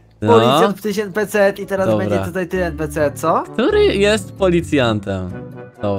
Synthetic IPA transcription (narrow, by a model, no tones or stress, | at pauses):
npɔlʲisjapt̪ɨɕ̬ɛn̚pɛt̪sɛɛt̪it̪ɛɾazɔbɛɲɲd͡ʑɛa̰t̪ut̪ajt̪ɘɛnpɛt̪sɛt̪̚sɔkt̪uɾɘjɛst̪pɔlʲit̪sʲjant̪ɛm | d̪ɔb